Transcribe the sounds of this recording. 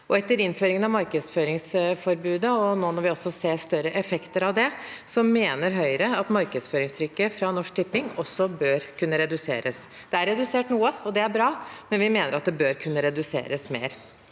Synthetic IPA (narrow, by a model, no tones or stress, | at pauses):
ɔɛt̪ːəɾɪnːføːɾɪŋənɑʋmɑɾkəd̪sføːɾɪŋsfɔɾbʉːd̪əɔnoːnɔɾʋɪɔsːɔseːɾʂt̪œɾəʔɛfɛkt̪əɾɑʋd̪ɛsɔmeːnəɾɦœʏɾəɑt̪mɑɾkəd̪sføːɾɪŋst̪ʰɾʏkːəfɾɑnɔʂk̚t̪ʰɪpːɪŋɔsːɔbøːɾkʰʉnːəɾɛd̪ʉsḛːɾəs | d̪̥ɛæɾɛd̪ʉseːʈnuːəɔd̪ɛæɾbɾɑːmɛnʋɪmeːnəɾɑt̪̚d̪ɛbøːɾkʰʉnːəɾɛd̪ʉsḛːɾəsmḛːɾ